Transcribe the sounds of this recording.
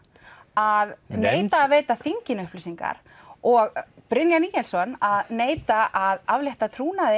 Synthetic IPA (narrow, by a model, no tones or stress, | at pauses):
aðneːjt̪aːðveːjt̪aθiɲcɪnʏhplɪsiŋka̰ɾ̥ | ɔɣpɾɪnjaniːjɛlsɔnaðneːjt̪aʔaðavlejht̪at̪ʰɾuːnaðɪ